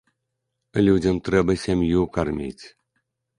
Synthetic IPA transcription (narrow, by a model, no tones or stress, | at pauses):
lʲudʲəmt̪ɾɛbəsʲemʲjukarmʲḭtʲ